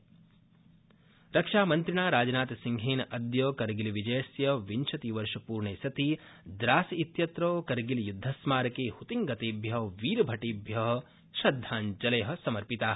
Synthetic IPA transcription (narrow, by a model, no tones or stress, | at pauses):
ɾɐkʂaːmɐnt̪ɾiɳaːɾaːd͡ʒɐnaːt̪siŋɡʱeːnɐd̪joːkɐɾɡiliʋid͡ʒɐjɐsjɐʋint͡ʃʰɐt̪iʋɐɾʃɐpuːɾɳeːsɐt̪i | d̪ɾaːsit̪jɐt̪ɾoːkɐɾɡilijud̪ʱːɐsmaːɾɐkeːhut̪iŋɡɐt̪eːbʱjɐʋiːɾɐbʱɐʈiːbʱjɐɦ | ʃɐd̪ʱːaːnd͡ʒɐlɐjɦɐ̆sɐmɐɾpit̪aː